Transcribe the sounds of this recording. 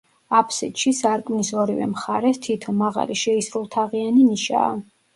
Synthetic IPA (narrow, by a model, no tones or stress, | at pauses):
apʰsit̪ʃisaɾkʼmnisɔɾivɛ̰mχaɾɛst̪ʰit̪ʰɔmaʁa̰liʃɛisɾulˠt̪ʰaʁianiniʃa̰ː